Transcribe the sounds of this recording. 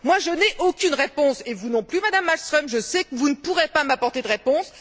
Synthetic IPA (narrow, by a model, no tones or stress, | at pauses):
mwaʒənɛʔokʲynʁepɔ̃sevunɔ̃plymad̪amːalst̪χɔmʒəsɛkəvunəpuʁepamapɔʁt̪ed̪əʁepɔ̃s